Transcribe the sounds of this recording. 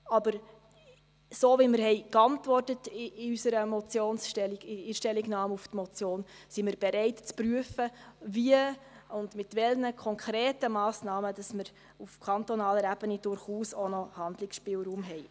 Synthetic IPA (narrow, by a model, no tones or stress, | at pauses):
ɑbəɾ | soːvimɪɾhɛɪkɑntʋɔrtətɪysəɾəmɔt͡sjoːnsʃtɛliɡɪɪʃtɛlːiɡnɑːmuftmɔt͡sjoːn | simɪɾb̥ɛɾɛɪtt͡spɾyəfəviə | ʊndmɪtvɛlnəkʰɔŋkʰɾeːtəmɑːsnɑːməd̥ɑsməɾ | ufkʰɑntɔnɑːləɾæbənid̥ʊɾχuːsonɔhɑndlɪksʃpɪːlɾuːmɦɛj